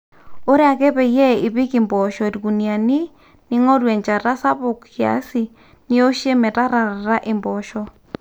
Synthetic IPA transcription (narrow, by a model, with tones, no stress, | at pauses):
o˦ɾe˦a˨kɛ˦βɛ˨jɛ˦ɪ˨βɪ˦kɪ˨mbɔ˨ʃɔ˨ɾɡu˨nja˨ni˦ | nɪ˦ŋɔ˦ɾwɛ˨ɲt͡ʃa˨ɾa˦sa˦βʊ˨kkja̰˨˦si˨ | nɪ˦o˦ʃe˦mɛ˨ta˦ɾa˨ɾa˨ɾa˦ʔɪ˨mbɔ˨ʃɔ˦